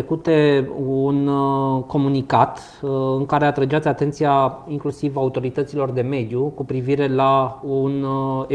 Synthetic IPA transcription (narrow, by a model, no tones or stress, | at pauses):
kut̪e̞unko̞munikat̪ | ɨŋkaɾe̞at̪ɾed͡ʒat̪sʲat̪e̞nt̪sijaiŋklusivaut̪o̞ɾit̪ət̪silo̞rd̪e̞me̞d̪jukupɾiviɾe̞laune